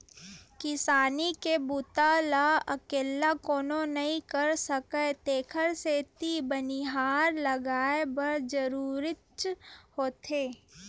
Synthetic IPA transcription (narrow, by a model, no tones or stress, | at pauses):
kɪsaːnikebut̪alaɐkeːlakoːnõnɐɦĩkəɾsəkət̪eːkʰəɾset̪ibəniɦaːɾləɡaːebəɾd͡ʒəɾuːɾɪtt͡ʃhoːt̪ʰeː